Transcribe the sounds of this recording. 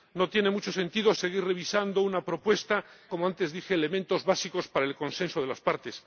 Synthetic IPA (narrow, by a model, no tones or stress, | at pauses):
no̞t̪je̞ne̞mut͡ʃo̞se̞nt̪iðo̞se̞ɣ̞ire̞β̞isand̪o̞unapɾo̞pwe̞st̪ako̞moant̪e̞zðixeːle̞mẽ̞nt̪o̞zβasiko̞spaɾaelko̞nsẽ̞nsoð̞e̞laspaɾt̪e̞s